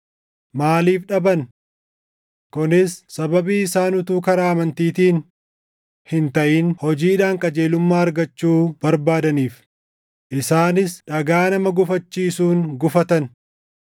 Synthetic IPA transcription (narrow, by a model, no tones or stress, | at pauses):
maːliːfᶑɐbɐn | kʊnɪsːɐbɐbiːɪsaːnʊt̪uːkɐɾaːɐmɐnt̪iːt̪iːn | hɪnt̪ɐʔiːnhɔd͡ʒiːᶑaːŋkʼɐd͡ʒe̞ːlʊmːaːɐɾɡɐt͡ʃːuːb̥ɐɾbaːd̪ɐniːf | ʔɪsaːnɪsᶑɐɡaːnɐmɐɡʊfɐt͡ʃːiːsuːŋɡʊfɐt̪ɐn